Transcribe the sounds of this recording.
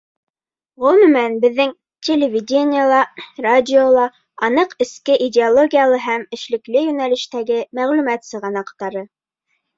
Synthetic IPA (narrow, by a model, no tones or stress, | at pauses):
ʁɵ̆mɵ̆mænbɘ̆ðːɘŋ | tʲʰelʲɪvʲɪdʲenʲɪjalˠɑradʲɪolˠɑ | ɑnɤqɘ̆skɘʔidʲɪolˠoɡʲijalˠɤɦæmɘ̆ʃlɘ̆klɘjʉnælɘ̆ʃt̪æɡɘmæʁlʉmæt̪sɤ̆ʁɑnɑqt̪ɑɾɤ